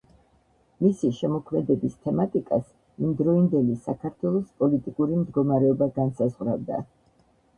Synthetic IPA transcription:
misiʃɛmɔkʰmɛd̪ɛbist̪ʰɛmat̪ʼikʼas | imd̪ɾɔind̪ɛlisakʰaɾt̪ʰwɛlˠɔspʼɔlit̪ʼikʼuɾimd̪ɡɔmaɾɛɔbaɡansazʁɾavd̪a̰

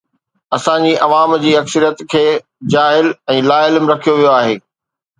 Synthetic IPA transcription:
ɐsãɲd͡ʑiːʔɐʋaːmd͡ʑiːɐksəɾijət̪kʰeː | d͡ʑaːɦɪlɛ̃ːlaːɪlmɾɐkʰijoʋijoaːɦeː

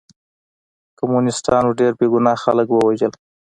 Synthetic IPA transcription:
kamunɪst̪ɑnwuɖeɾbeɡʊnɑxaləkwəwaʒəl

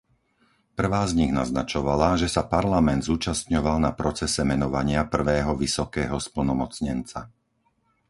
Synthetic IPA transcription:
pr̩ʋaːzɲiɣna̰znat͡ʃɔʋalaʒɛsapaɾlamɛnd̪zuːt͡ʃast̪ɲɔʋalnapɾɔt͡sɛsɛmɛnɔʋaɲɪapr̩ʋɛːɦɔʋisɔkɛːɦɔspl̩nɔmɔt͡sɲɛnt͡sa̰

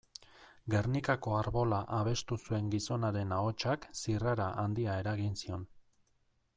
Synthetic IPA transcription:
ɡe̞rnikako̞aɾβo̞laʔaβ̞e̞st̪usue̞ŋɡiso̞naɾe̞nao̞t͡ʃaksiraɾaʔand̪iae̞ɾaɣinsio̞n

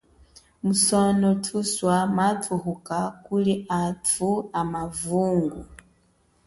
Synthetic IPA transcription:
musɔnɔtʰuswamaθuhukakuliatʰuamavuŋɡu

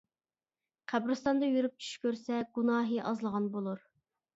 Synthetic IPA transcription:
qʰæbɾɨst̪ɑnd̪ɑjyɾyp̚t͡ʃʰy̥ʃkʲøɾsɛɡunɑːɦɨʔɑzlˠəʁɑnbolˠuɾ

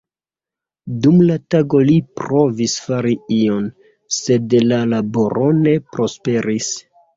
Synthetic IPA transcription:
dumlataɡo̞lipɾo̞visfaɾiio̞n | se̞dlalabo̞ɾʔo̞ne̞pɾo̞spe̞ɾis

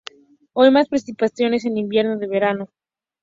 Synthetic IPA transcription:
ojmaspɾesipasjo̞ne̞s̬e̞nimbje̞ɾno̞ðe̞β̞e̞ɾano̞

